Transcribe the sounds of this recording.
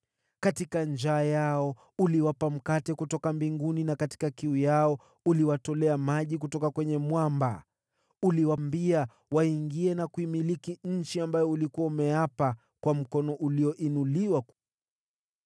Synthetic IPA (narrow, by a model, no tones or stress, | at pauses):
katikand͡ʒaːjaɔ | uliwapam̩katɛkutɔkambiŋɡuninakati̥kakiujaɔ | uliwatɔlɛamaʄikutɔkakwɛɲɛmwamba̰ | uliwambia | waiŋɡiɛnakuimilikiɲ̩t͡ʃiambajɔulikuwaumɛjapa | kwam̩kɔnɔʔuliɔʔinuliwa